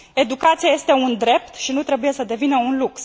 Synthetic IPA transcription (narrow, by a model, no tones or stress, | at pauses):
e̞d̪ukat̪sijaje̞st̪e̞und̪ɾe̞p̚t̪ʃinut̪ɾe̞buje̞səd̪e̞vinəunluks